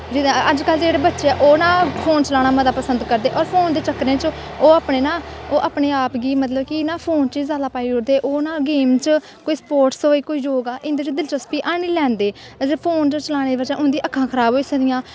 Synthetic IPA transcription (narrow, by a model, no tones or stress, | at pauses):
d͡ʒiəd͡ʒkəld͡ʒeːɽeːbətːʃeːʔoːnãːpʰoːnt͡ʃəlaːnaːməd̪aːpəsənd̪kəɾd̪eːʔɔːɾpʰoːnd̪eːt͡ʃəkɾẽːt͡ʃ | oːaːpɳeːnaːoːʔaːpɳeːaːpɡiːmət̪ləbkɪnaːpʰoːnt͡ʃiːzaːd̪aːpaːiʊɾd̪eːʔoːnaːɡeːmt͡ʃ | koːiːsə̥poːɾʈsoːiːkoːiːd͡ʒoːɡaːʔɪ̃nd̪et͡ʃd̪ɪlt͡ʃəspiːʔaːniːlɛ̃ːnd̪eːd͡ʒepʰoːnt͡ʃt͡ʃəlaːɽ̃eːd̪ibəd͡ʒãːʔʊ̃nd̪ĩːʔəkʰːãːkʰəɾaːboːiːsəkd̪ɪjãː